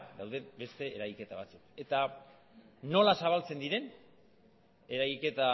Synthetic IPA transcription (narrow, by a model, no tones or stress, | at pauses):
d̪awðe̞be̞st̪e̞ːɾajke̞t̪aβ̞at͡suke̞t̪a | no̞lasaβ̞alt͡se̞nd̪iɾe̞n | e̞ɾajke̞t̪a